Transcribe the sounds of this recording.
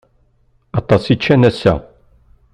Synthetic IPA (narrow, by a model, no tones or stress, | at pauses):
ɑt̪ˤɑsit͡ʃːænæsːæ̰